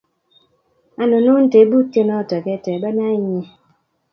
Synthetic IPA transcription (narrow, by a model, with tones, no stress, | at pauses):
a˦no˨no˦n̩˦te˨˦bu˦tje˦nɔ˦˨tɔ˨kɛ˦˨tɛ˨ba˦na˦ɲe˨